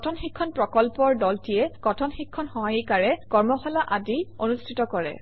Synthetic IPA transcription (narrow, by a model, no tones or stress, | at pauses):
tʰɔnxikʰːɔnpɹɔkɔlpɔɹdɔltiɛkɔtʰɔnxikʰːɔnxɔɦajikaɹɛkɔɹmɔxɔlaʔadionustʰitɔkɔɹɛ̰